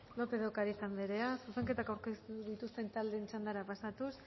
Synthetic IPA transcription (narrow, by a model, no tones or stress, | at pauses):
lo̞peðowkaɾisambeɾe̞asuse̞ŋke̞t̪akawɾkest̪uðit̪ust̪e̞nt̪ald̪e̞nt͡ʃand̪aɾapasat̪us